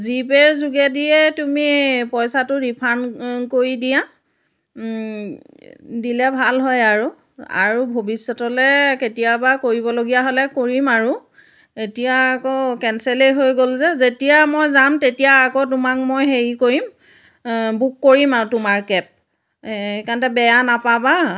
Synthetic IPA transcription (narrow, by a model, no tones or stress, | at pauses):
zipɛɹzuɡɛdiɛtumipɔjsatʊɹipʰankoɹidija | dilɛbʱalɦɔjaɹu | a̰ɹubʱobisːɔtɔlɛketijabakoɹibɔloɡijaɦolɛkoɹimaɹu | etijaːkɔkɛnselejɦojɡolzɛzetijamɔjzamtetijaːkɔt̬umak̚mojɦeɹikoɹim | bukːoɹimaɹutʊmaɹkɛp̚ | kantɛbɛjanapaba